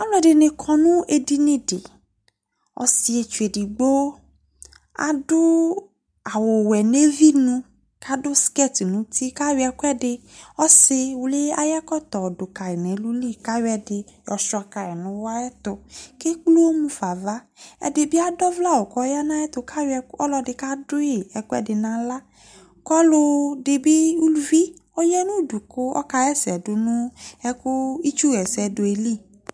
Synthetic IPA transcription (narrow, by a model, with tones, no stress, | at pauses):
a˦mlɔ̃˨de˨nẽ˨kʰɔ˨nũ˦ʔe˨di˦nĩ˦de˨ | ɔ̰˨si˨e˨t͡ʃu˨e˨di˨ɡ͡bo˦ | a̰˨do˦ | a˨wo˨wɛ˨ne˦vi˦nũ˦ | ka˦dʊ˦skɛ˦t̪i˨nũ˨˦t̪i˦ka˦wi˨˦ɛ˨kɛ˦dɪ˨ɔ˦se˦wu˦le˦a˦ja˦kɔ˦t̪ɔ˨do˨ka˨e˨nẽ˨˦lu˦li˦˨ka˦wɛ˨de˨jɔ˨ʃɔ˨a˨ka˨ɛ˨nʊ̃˦wa˦ɛ˦t̪ʊ˧ke˦k͡plu˦o˦mũ˦fa˨va˦ | ɛ̰˨dɪ˨bɪ˦a˦dɔ˦vla˦˨wo˨kɔ˦ja˦nã˦ɛ˦t̪ʊ˧ka˦wɛ˧˦ɔ˦lɔ˧dɪ˧˨ka˦dʊ˦je˨ɛ˨kʊ˦ɛ̰˦dɪ˨nã˨la˦ | kɔ˦lʊ˧dɪ˨bɪ˦u˦lu˦vi˦ | ɔ˦jɛ˦nũ˦du˨kʊ˦ɔ̰˦ka˧jɛ˦sɛ˨dʊ˨nʊ̃˦ɛ˦kʊ˦i˦t͡ʃu˦ɣɛ˨sɛ˨dʊ˨e˨li˦˨